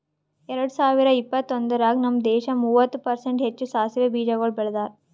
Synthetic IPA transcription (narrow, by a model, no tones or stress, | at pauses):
ɛɾɐɽusaːʋiɾɐipːɐt̪ːond̪ɐɾaːɡnɐmd̪ɛːʃɐmuːʋɐt̪ːupɐɾseɳʈɦet͡ʃːusaːsiʋɐbiːd͡ʒɐɡɐɭbɛɭɐd̪aːɾ